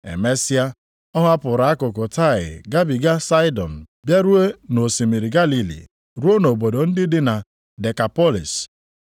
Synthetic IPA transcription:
ḛ˨me˦si˦a˦ | ɔ˦ɦʊ˦a˦pʊ˨ɾa˨˦a˦kʊ˨kʊ˨ta˦˨ɣɪ̰˨ɡa˦bi˨ɡa˦sa˦ɪ˦dɔ˨n̩˨ | bja˦ɾu˦e˦no˨si˨mi˨ɾi˨ɡa˦li˨lḭ˨ | ɾu˦o˦no˨bo˨do˨n̩˦dɪ˦dɪ˦na˨ | de˨ka˨pɔ˦lḭ˨s

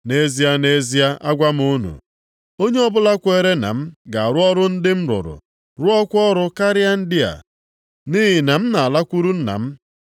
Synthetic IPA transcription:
ne˦zi˦a˦ne˦zi˦a˦ʔa˦ɡʷa˦m˦u˦nṵ˨ | o˦ɲe˦ɔ˦bʊ˦la˦kʷe˦ɾe˦na̰˨m̩˦ɡa˨a˨ɾʊ˦ɔ˦ɾʊ˦n̩˦dɪ˦m̩˦ɾʊ̰˨ɾʊ̰˨ | ɾʊ˦ɔ˦kʷɔ˦ɾʊ˦ka˦ɾɪ˦a˦n̩˦dɪ˦a̰˨ | ni˦ɦɪ˨na˨m̩˦na˨a˨la˦kʷu˦ɾu˦n̩˦na̰˨m̩˦

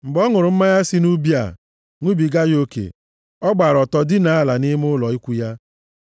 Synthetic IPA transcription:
ŋ͡m̩˨ɡ͡bɔ˦ŋʊ˨ɾʊ˨m̩˦ma˦ja˦sɪ˦nu˦bi˦a̰˨ | ŋʷu˦bi˨ɡa˦jo˦kḛ˨ | ɔ˦ɡ͡ba˨ɾɔ˨tɔ˨dɪ˦na˨a˦la˨nɪ˦m˦ʊ˦lɔ˨i˦kʷu˦ja˦

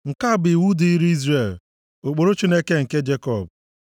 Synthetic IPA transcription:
ŋ̩˨ka˦˨bɪ˨wu˦di˨i˦ɾi˦i˦zɾe˨l | o˨k͡po˨ɾo˦t͡ʃi˦ne˦ke˦ŋ̩˨ke˦d͡ʒe˦kɔ˦˨b̚

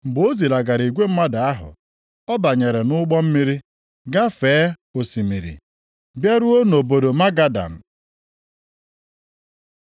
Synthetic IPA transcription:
m̩˨ɡ͡bo˦zi˨la˨ɡa˨ɾi˨ɡʷe˦m̩˦ma˦da˨a˦ɦʊ̰˨ | ɔ˦ba˨ɲe˨ɾe˨nʊ˦ɡ͡bɔ˦m̩˦mi˦ɾi˦ | ɡa˦feː˨˦ | o˨si˨mḭ˨ɾḭ˨ | bja˦ɾu˦o˦n˨o˨bo˨do˨ma˦ɡa˨da̰˨n̩˨

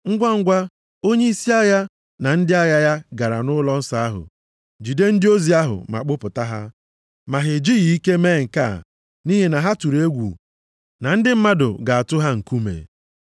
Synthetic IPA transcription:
ŋ̩˦ɡʷa˦ŋ̩˦ɡʷa˦ | o˦ɲe˦i˦si˦a˦ja˦ | na˨n̩˦dɪ˦a˦ja˦ja˦ɡa˨ɾa˨nʊ˦lɔ˦n̩˦sa˦a˦ɦʊ̰˨ | d͡ʒi˨de˦n̩˦dɪ˦o˦zi˨a˦ɦʊ̰˨ma̰˨k͡pʊ˦pʊ˨ta˦ɦa˦ | ma˨ɦɪ˨d͡ʒi˦ɣi˨i˦ke˦me˦˨ŋ̩˨ka̰˦˨ | ni˦ɦe˨na˨ɦa˦tu˨ɾe˦ɡʷṵ˨ | na˨n̩˦dɪ˦m̩˦ma˦dʊ̰˨ɡa˨a˨tʊ˦ɦa˦ŋ̩˨ku˦mḛ˨

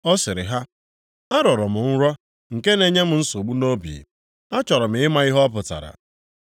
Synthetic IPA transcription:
ɔ˦sɪ˨ɾɪ̰˨ɦa˦ | a˦ɾɔ˨ɾɔ˨mʊ˨n̩˦ɾɔ˦ | ŋ̩˨ke˦ne˨ɲe˦m̩˨n̩˦so˨ɡ͡bu˦no˦bḭ˨ | a˦t͡ʃɔ˨ɾɔ˨m̩˨ɪ˦ma˦i˦ɦɔ˦ɔ˦pʊ˨ta̰˨ɾa̰˨

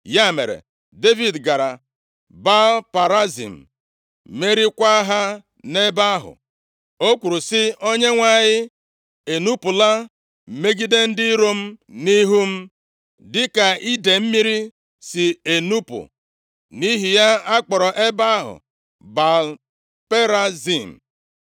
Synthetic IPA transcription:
ja˦˨mḛ˨ɾḛ˨ | de˦vi˨dɡa˨ɾa˨ | ba˦lpa˨ɾa˦zḭ˨m̩˨ | me˦ɾi˦kʷa˦ɦa˦ | ne˦ba˦ɦʊ̰˨ | o˦kʷu˨ɾu˨sɪ˦o˦ɲe˦ŋʷa˨ɲɪ˦ | e˨nu˦pʊ˨la˦ | m̩˨me˦ɡi˦de˦n̩˦dɪ˦ɾo˦m̩˦ni˦ɦu˦m̩˦ | dɪ˦ka˨i˦de˨m̩˦mi˦ɾi˦ | sɪ˨e˨nu˦pʊ̰˨ | ni˦ɦi˨ja˦a˦k͡pɔ˨ɾɔ˨ʔe˦ba˦ɦʊ̰˨ | ba˨l | pe˦ɾa˦zi˨m̩˨

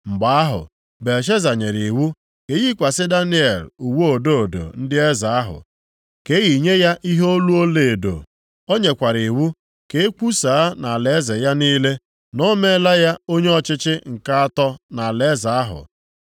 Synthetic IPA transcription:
m̩˨ɡ͡ba˨˦a˦ɦʊ̰˨ | be˨ʃ̬e˦za˨ɲe˨ɾi˨wu˦ | ke˨˦ɣi˦kʷa˨sɪ˦da˦ni˦e˨lu˨wo˦o˨do˦o˨do̰˨n̩˦dɪ˦e˦za˨a˦ɦʊ̰˨ | ke˦ɣi˨ɲe˦ja˦ʔi˦ɦo˦lu˦o˦le˨do̰˨ | o˦ɲe˨kʷa˨ɾi˨wu˦ | ke˨e˦ku˦sa˨a˦na˨le˨˦ze˨ja˦niː˦le˦ | nɔ˦me˦la˦ja˦o˦ɲe˦ɔ˨t͡ʃɪ˦t͡ʃɪ˦ŋ̩˨ka˦a˦tɔ˦na˨le˨˦za˨a˦ɦʊ̰˨

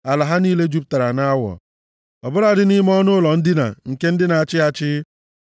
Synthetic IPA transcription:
a˨la˨ɦa˦ni˦le˦d͡ʒu˦p̚ta˨ɾa˨na˦wɔ̰˨ | ɔ˨bʊ˦ɾa˨dɪ˦ni˦m˦ɔ˦nʊ˦lɔ˨n̩˦dɪ˦na̰˨ŋ̩˨ke˦n̩˦dɪ˦na˨a˨t͡ʃɪ˦a˨t͡ʃɪ˦

